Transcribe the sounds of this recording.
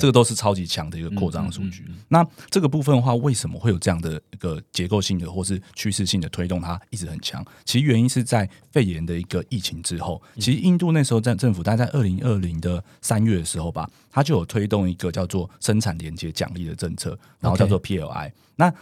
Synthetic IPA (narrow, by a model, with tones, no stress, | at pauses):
ʈ͡ʂə˥˩ɡə˩t̪o˥ʂɻ̩˥˩ʈ͡ʂʰɑ˥ʊt͡ɕi˧˥t͡ɕʰjɑ˧˦ŋd̪ə˨i˧˥ɡə˧kʰwɔ˥˧ʈ͡ʂɑ̰˥ŋə˨˩ʂṵ˨˩t͡ɕy˦na˥˨ʈ͡ʂɤ˥˩ɡə˩pu˥˧fə˥˧nə˧xwa˥˧we˥˩ɪʂə˨˧˥mə̰˨xwe˥˩jo˨˩ʊʈ͡ʂɤ˥˧jɑ˥˩ŋd̪ə˩i˧˥ɡ̥ə˨t͡ɕjɛ˧˥ko˥˧ʊɕi˥˩ŋd̪ə˩xwɔ˥˧ʂ̬ɻ̩˥˩t͡ɕʰy˥ʂɻ̩˥˧ɕi˥˩ŋd̪ə˨˩t̪ʰwe˥ɪt̪ŋt̪ʰa˦i˥˩ʈ͡ʂɻ̩˧˥xə˨˩nt͡ɕʰjɑ̰˧˦ŋt͡ɕʰi˧˥s̩˧˦ɥɛ˧˥ni˦nʂɻ̩˥˧t͡sa˥˧ɪ | fe˥˩ɪjɛ˨˦nd̪ə˨i˧˥ɡ̥ə˨i˥˩t͡ɕʰi˧˥ŋʈ͡ʂɻ̩˦xo˥˩ʊt͡ɕʰi˧˥ʂɻ̩˧i˥˧nt̪u˥˧na˥˩ʂɻ̩˧˥xo˥˧ʊ˥˧ʈ͡ʂə˥˩nfu˨˩t̪a˥˧t͡sa˥˧ɪʔə˥˩li˧˥ŋə˥˩li˧˦˥ŋd̪ə˨ | sa˦nɥɛ˥˩d̪ə˩ʂɻ̩˧˦xo˥˩ʊba̰˨˩ | t̪ʰa˥t͡ɕjo˥˩ʊjo˨˩t̪ʰwe˥ɪt̪o˥˩ŋi˧˥ɡə˨t͡ɕjɑ˥˧ʊt͡swɔ˥˩ʂə˦˥nʰa˨˩nljɛ˧˥nt͡ɕjɛ˧˦t͡ɕjɑ̰˨˩ŋli˥˩d̪ə˩ʈ͡ʂə˥˧ŋt͡sʰɤ̰˥˩ɻŋo˥˧jɑ˥˧ʊwɔ˥˧pʰi˧˥ɛ̰˨˩a̰˥ɪ | na˥˨